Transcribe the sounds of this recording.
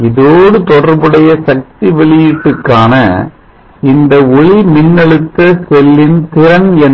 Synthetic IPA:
ɪðoːɽɯt̪ɔɽɐɾbɯɽɐjɐsɐk̚t̪iʋɛɭɪjɪʈːɯkːaːnɐ̰ | ɪnd̪ɐɔɭimɪnːɛɭɯt̪ːɐsɛlːɪnt̪ɪɾɐnɛn

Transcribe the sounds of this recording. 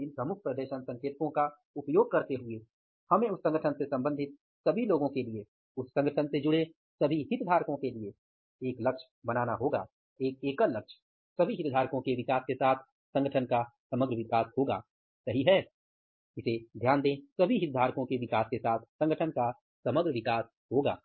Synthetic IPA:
ɪ̃npɾəmʊkʰpɾəd̪eːʃənsɐ̃ŋkeːɾkõka | ʊpjoːɡ̚kɐɾt̪eɦʊe | hɐmẽʊsːɐ̃ŋɡəʈʰənsesɐ̃mbə̃nd̪ʱɪt̪̚ | sɐbʱiloːɡõkelie | ʊsːɐ̃ŋɡəʈʰənsed͡ʒʊɽe | sɐbʱiɦɪt̪d̪ʱaːɾkõkelie | eːklɐkʃ | bɐnaːnaɦoːɡa̰ː | eːk̚eːkəlɐkʃ | sɐbʱiɦɪt̪d̪ʱaːɾkõkeʋɪkaːskesaːt̪ʰ | sɐ̃ŋɡəʈʰənkasɐməɡɾəʋɪkaːshoːɡa̰ː | sɐɦiɦɛː | ɪsed̪ʱjaːnd̪ẽːsɐbʱiɦɪt̪̚d̪ʱaːɾkõkeʋɪkaːskesaːt̪ʰsɐ̃ŋɡəʈʰənka | sɐməɡɾəʋɪkaːs | ɦoːɡa̰ː

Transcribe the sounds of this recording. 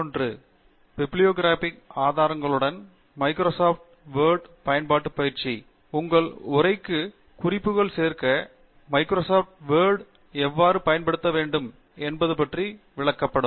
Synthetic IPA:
ondrɯ | bɪbɭɪjoːɡɪɾaːfɪkaːðaːɾɐŋɡɐɭɯɽɐn | mɐɪkɾoːsaːfʈ̚ʋeːɾɖpɐjɐnpaːʈːɯpːɐjɪɾt͡ʃi | ʊŋɡɐɭʊrɐɪkːɯ | kʊrɪpːɯɣɐɭseːrkɐ | mɐɪkɾoːsaːfʈʋeːɾɽ | ɛʋːaːɾɯpɐjɐnpɐɽɯt̪ːɐʋeːɳɖɯm | ɛnbɐðɯpɐʈri | ʋɪɭɐkːɐpːɐɽɯmm

